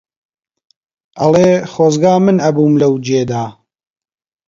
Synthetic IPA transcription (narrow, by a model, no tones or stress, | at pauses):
ʔɐ̰leːχoːzɡaːmɨnɐbuːmlɐwd͡ʒeːd̪aː